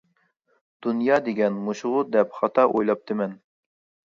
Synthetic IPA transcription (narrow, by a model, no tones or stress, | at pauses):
d̪̥unjɑːd̪eɡʲɛnmuʃʊʁʊd̪ɛpχɑt̪ʰɑʔojlˠɑp̚t̪ʰɨmɛn